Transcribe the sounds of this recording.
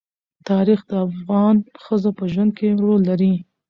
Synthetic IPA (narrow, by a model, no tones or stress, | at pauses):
t̪ɑɾixd̪əafɣɑnxəzapəʒwand̪̚kʰeɾolːaɾi